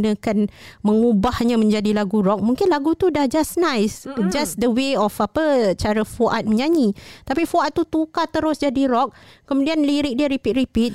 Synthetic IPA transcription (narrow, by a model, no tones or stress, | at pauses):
nə̃kanmə̃ŋubahɲãmə̃ɲd͡ʒadilaɡuɾɔk̚mũŋkɪnlaɡut̪udahd͡ʒasnãjsd͡ʒasdəweɔfapət͡ʃaɾafuʔat̪̚məɲãɲit̪apifuat̪̚ːut̪ukat̪əɾʊsd͡ʒadiɾɔk̚kəmudianliɾɪk̚diəɾipit̪̚ɾipit̪̚